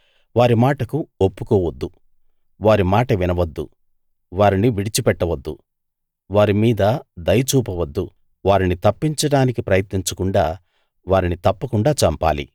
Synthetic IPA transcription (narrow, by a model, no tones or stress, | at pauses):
ʋaːɾimaːʈɐkuopːukɔːʋɐd̪ːu | ʋaːɾimaːʈɐʋinɐʋɐd̪ːṵ | ʋaːɾiniʋiɽit͡ʃipɛʈːɐʋɐd̪ːu | ʋaːɾimiːd̪ɐd̪ɐjɐt͡ʃuːpɐʋɐd̪ːu | ʋaːɾinit̪ɐpːiɲt͡ʃɐɽaːnikipɾɐjɐt̪niɲt͡ʃɐkuɳɖaː | ʋaːɾinit̪ɐpːɐkuɳɖaːt͡ʃɐmpa̰ːlḭ